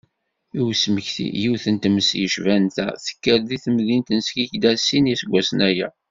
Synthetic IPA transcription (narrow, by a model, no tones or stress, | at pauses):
iwsməçθḭjiwθənt̪məsjəʃvænt̪æ̰θə̥kːəɾðiθəmðint̪ənskiçd̪æsinisəɡʷːæsənæjæ̰